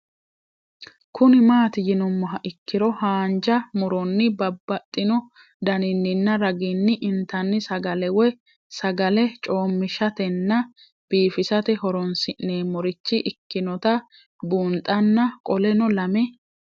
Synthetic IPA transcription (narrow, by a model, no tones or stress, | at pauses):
kʰʊnɪmaːt̪ɪjɪnʊmːɔɦɐʔɪkːɪɾɔhaːnd͡ʒɐmʊɾɔnːɪbɐbːɐt̪ʼːɪnɔ | d̪ɐnɪnːɪnːɐɾɐɡɪnːɪʔɪnt̪ɐnːɪsɐɡɐlɛwɛ | sɐɡɐlɛt͡ʃʼo̞ːmːɪʃɐt̪ɛnːɐ | b̥iːfɪsɐt̪ɛhɔɾɔnsɪʔneːmɔɾɪt͡ʃːɪʔɪkːɪnɔt̪ɐ | buːnt̪ʼɐnːɐkʼɔlɛnɔlɐmɛ